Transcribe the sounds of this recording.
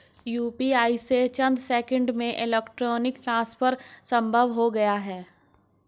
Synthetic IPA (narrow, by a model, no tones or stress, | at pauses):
juːpiaːiset͡ʃɐ̃nd̪sɛːkə̃ɳɖmẽʔɪlɛːkʈɾoːnɪkʈɾãːspʰəɾsɐ̃mbʱəʋɦoɡɐjaɦɛː